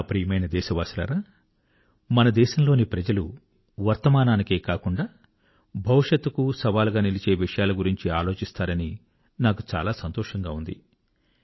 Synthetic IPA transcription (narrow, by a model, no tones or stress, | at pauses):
pɾiːjɐmɐjnɐd̪ɛːʃɐʋaːsila̰ːɾaː | mɐnɐd̪ɛːʃɐmlo̞ːnipɾɐd͡ʒɐlu | ʋɐɾt̪ɐmaːnaːnike̞ːkaːkuɳɖaː | bʱɐwʂɐt̪ːukusɐʋaːluɡaːnilit͡ʃe̞ːʋiʂɐjaːlɐɡuɾiɲt͡ʃiaːlo̞ːt͡ʃist̪aːɾɐni | naːku̥t͡ʃa̰ːlaːsɐnt̪ɔːʂɐŋɡaːund̪ḭ